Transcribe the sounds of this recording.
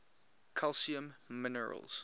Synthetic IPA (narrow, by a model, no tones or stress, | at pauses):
kʰalˠsiə̃mːɪnəɹə̰lz̥